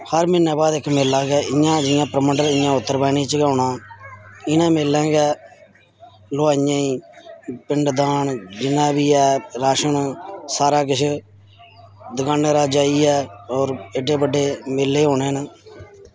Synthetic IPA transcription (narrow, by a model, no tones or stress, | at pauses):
həɾmɪnːɛːbaːd̪ɪkːmɪlːaːɡɛːɪjãːd͡ʒɪjãːpəɾəməɳɖəɾɪjãːʊt̪ːəɾbaːniːt͡ʃɡaːnãː | ɪnãːmɪlːɛ̃ːɡɛː | loːaːɪjãːiːpɪɳɖd̪aːɳd͡ʒɪnãːbiːɛːɾaːʃənsaːɾaːk̬ɪt͡ʃʰ | d̪əɡaːneːɾaːd͡ʒaːiːɛːɔːɾɪɖeːbəɖːeːmɪlːeːɦoːnẽːnaː